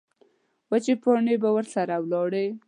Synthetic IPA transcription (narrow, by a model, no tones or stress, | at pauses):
wat͡ʃepoɳebawəɾsaɾawlɑɽe